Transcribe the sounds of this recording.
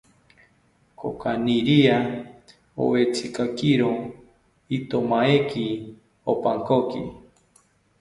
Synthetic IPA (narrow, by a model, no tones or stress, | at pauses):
kʰo̰kaniɾia | o̰wet͡sʰikakiɾo | it̪omaeki | opaŋkokḭ